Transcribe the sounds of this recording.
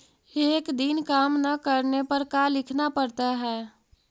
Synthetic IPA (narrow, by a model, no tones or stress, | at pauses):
eːkd̪inkaːmnɐkəɾnepəɾkalɪkʰnapəɾt̪aɦɛː